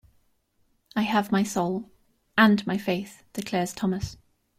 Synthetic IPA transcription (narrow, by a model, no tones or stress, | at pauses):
aɪəvmaɪsoʊl | ə̃nmaɪfeɪθd̥ɪkʰl̥ɛːz̥tʰɒməs